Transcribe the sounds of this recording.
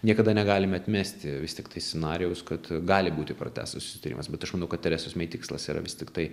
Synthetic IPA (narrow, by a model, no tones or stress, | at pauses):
nʲiɛkɐd̪ɐnʲɛɡɑːlʲɪmʲɛɐt̪ʲmʲæːsʲt̪ʲɪʋʲɪsʲt̪ʲɪkt̪ɐɪsʲt͡sʲɛnɑːɾʲɪjɛʊskɐt̪ɡɑːlʲɪbuːt̪ʲɪpɾo̰tʲæ̰ːst̪ɐsʊ̥sʲɪ̥t̪ɐɾʲḭmɐsbʲɛt̪ɐʃmɐnɐʊkɐt̪ʲɛɾʲɛsʊsmʲɛɪt̪ʲɪkslˠɐ̰siːɾɐ̰ʋʲɪsʲt̪ʲɪkt̪ɐɪ